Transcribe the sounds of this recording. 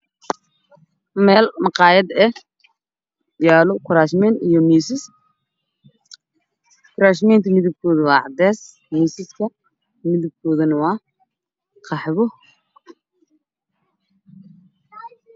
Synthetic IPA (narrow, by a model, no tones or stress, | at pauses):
mɛːlmɑqɑːjɐd̪ɛ | jaːlɔkʰʊɾaːʃmɛnijɔmiːsɪs | kʰʊɾaːʃmɛjnt̪ʰɐmɪðɪb̚kʰɔːðɐwɑːʕɑ̰d̪ɛːs | miːsɪskʰɐ | mɪðɪb̚kʰɔːðɐnɐwɑː | qʰɑħβɔ